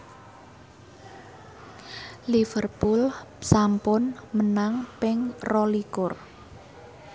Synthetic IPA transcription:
lifərpulsampʊnmənaŋpɪŋrɔlikʊr

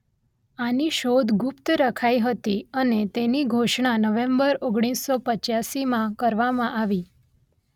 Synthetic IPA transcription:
aniʃod̪ʱɡʊpt̪ɾəkʰaiɦət̪iənet̪eniɡʱoʃɳ̃anəʋẽmbəɾoɡɽ̃isːɔpət͡ʃjasimãkəɾʋamãʔaʋi

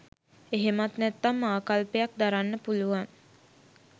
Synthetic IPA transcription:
eɦemat̪nɛt̪ːamːaːkalpejak̚d̪aɾanːəpuluʋaŋ

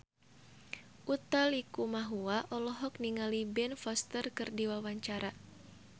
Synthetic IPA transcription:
ʔut̪alikumaɦuaʔɔlɔɦɔk̚niŋalibɛnfɔst̪ərkɨrdiwawaɲt͡ʃaɾa

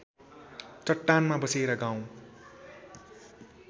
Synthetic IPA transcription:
t͡sʌʈːanmabʌseɾaɡaw̃

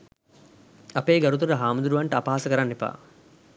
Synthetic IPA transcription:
ɐpeːɡɐɾut̪̬uɾɐɦaːmud̪uɾuʋɐɳʈɐːpaɦasəkɐɾanːepa̰ː

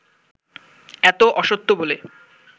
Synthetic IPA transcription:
ɛt̪oʔɔʃot̪ːobole

